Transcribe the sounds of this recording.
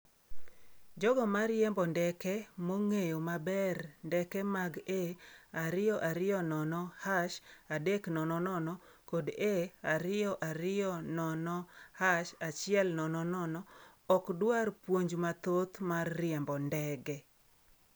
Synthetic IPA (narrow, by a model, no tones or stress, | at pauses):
d͡ʒɔɡɔmaɾjɛmbɔndɛkɛmoŋejomabɛrndɛkɛmaɡeaɾɪjɔʔaɾɪjɔnɔnɔhaʃadeknɔnɔnɔnɔ | kodeaɾɪɔʔaɾɪɔnɔnɔhaʃat͡ʃɪɛlnɔnɔnɔnɔ | ɔkdwarpwoɲd͡ʒmat̪ot̪marːɪɛmbɔndɛɡɛ